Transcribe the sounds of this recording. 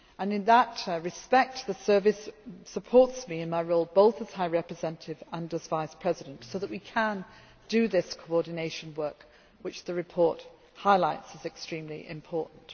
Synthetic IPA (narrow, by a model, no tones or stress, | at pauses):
ə̃nɨ̃nðətɹɨspɛk̚t̪̚ðɨsɜ˞vɨsːəpʰɔɹtsmiɨ̃nmaɪɹoʊlˠboʊθəz̥haɪɹɛpɹɨzɛ̃nətʰɪvə̃nəzvaɪspʰɹ̥ɛzɨɾɨ̃ntsoʊðəʔ̚wikʰə̃n | d̥ɨðɪskʰoʊɔɹdⁿn̩eɪʃɨ̃n̩wɜ˞k | wɨt͡ʃðɨɹɨpʰɔɹt̚ | haɪlaɪtsɨzɨkstɹ̥ĩmlḭʔɪ̰̃mpʰɔɹʔn̩t